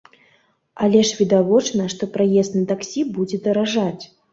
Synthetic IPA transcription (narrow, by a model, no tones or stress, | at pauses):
alʲɛʂvʲid̪avɔt͡ʂnɐʂt̪ɔpɾajɛst̪nɨt̪aksʲibud͡zʲɛd̪ɐɾaʐat͡sʲ